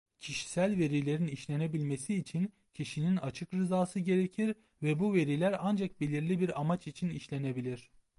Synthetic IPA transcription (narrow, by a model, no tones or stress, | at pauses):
cʰiʃi̥sælʲve̞ɾilʲe̞ɾiniʃlʲe̞nebilʲme̞siːt͡ʃʰin | cʰiʃininat͡ʃʰɯkɾɯzaːsɯɟe̞ɾecʰiɾ | vɛbuve̞ɾilʲæɾand͡ʒak̚belʲiɾlʲibiɾamat͡ʃit͡ʃʰiniʃlʲenebilʲiɾ̥